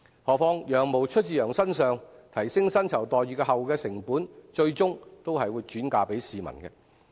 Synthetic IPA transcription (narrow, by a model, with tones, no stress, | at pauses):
hɔː˨˧k̚fɔː˧ŋjœː˨˩ŋmo˨wt͡ʃʰɵ˥t̚t͡siː˨jœː˨˩ŋsɐ˥nsœː˨˧ŋt̪ʰɐ˨˩jsɪ˥ŋsɐ˥nt͡sʰɐ˨˩wt̪ɔː˨jyː˨kɛː˧hɐ˨wkɛː˧sɪ˨˩ŋpuː˨˥nt͡ʃɵ˧ɥt͡sʊ˥ŋt̪o˥whɐ˨jwuː˨˧jt͡ʃyː˨˥nkaː˧pe˨˥jsiː˨mɐ̰˨˩nɡɛ˧